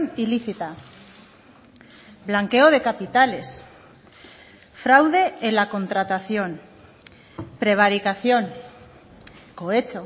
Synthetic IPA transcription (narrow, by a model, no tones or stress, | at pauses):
niliθit̪a | blaŋke̞o̞ð̞e̞kapit̪ale̞s | fɾawðe̞elako̞nt̪ɾat̪aθjo̞n | pɾe̞β̞aɾikaθjo̞n | ko̞e̞t͡ʃo